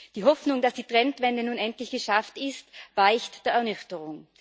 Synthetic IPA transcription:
d̥iːɦɔfnʊŋdasd̥iːtʁ̥ɛntvɛndənuːnɛntlɪçɡ̥əʃaftɪstv̥aɪçtd̥eːɐɛɐnʏçtəʁʊŋ

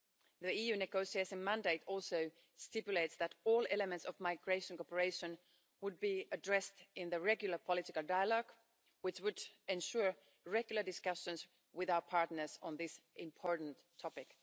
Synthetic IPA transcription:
ðiijʉnɨɡoʊsieɪtɪ̃ŋmæ̃ndeɪtʰɔlˠsoʊ | stɪpjʊleɪtsðɨɾɔlˠɛləmɛ̃ntsɔvmaɪɡɹeɪʃə̃nkɔpəɹeɪʃə̃n | wʊd̚biədɹɛstɪ̃nðɨɹɛɡjl̩ˠə˞pʰəlɪtɪkəlˠdaɪəlɔɡ | wɪt͡ʃwɨdɛ̃nʃʊɹ | ɹɛɡjl̩ˠə˞dɪskʌʃə̃ns | wɪðaʊə˞pʰɑɹtnə˞z̥ə̃nðɪsʔɪ̃mpʰɔɹʔn̩tʰːɔpɪk

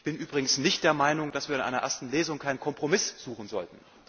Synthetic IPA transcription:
çb̥ɪnʔyːbʁɪɡŋ̩n̩snɪçtd̥eːɐmaɪnʊŋd̥asv̥iːɐɪnʔa̰ɪnɐʔḛɐstn̩leːzʊŋkʰaɪnənkʰɔmpʁ̥omɪsz̥uːχn̩zɔ̰ltn̩

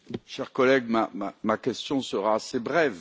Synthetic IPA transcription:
ʃɛʁkɔlɛɡmama̰makʲɛst̪jɔ̃səʁaːsebʁɛv

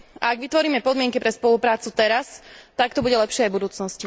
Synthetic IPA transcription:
aaɡʋit̪ʋɔɾiːmɛpɔd̪mɪɛŋkipɾɛspɔlupɾaːt͡sut̪ɛɾast̪akt̪ɔbuɟɛlɛpʃɪɛajbud̪uːt͡snɔsci

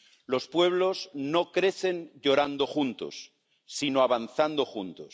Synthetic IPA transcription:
lo̞spwe̞β̞lo̞zno̞kɾe̞θe̞nʎo̞ɾand̪oxunt̪o̞̰sː | inoaβanθand̪o̞xunt̪os

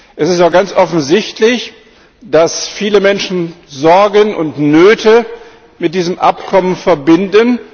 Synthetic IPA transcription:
ʔɛsɪstaʊɡ̥ant͡sʔɔfn̩zɪçtʰlɪç | d̥asfiːləmɛnʃn̩zɔɐɡənʊ̰ntnøːtʰə | mɪt̚d̥iːzəmʔa̰pkʰɔmənfɛɐbɪndən

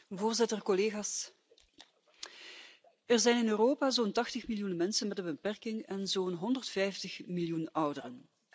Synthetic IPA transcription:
voːrzɪtərkɔleːɣaːs | ɛrzɛjnɪnøːroːpaːzoːntɑxtəxmɪljunmɛnsənmɛdəbəpɛrkɪŋɛnzoːnɦɔndərtfɛjftəxmɪljunʌwdərən

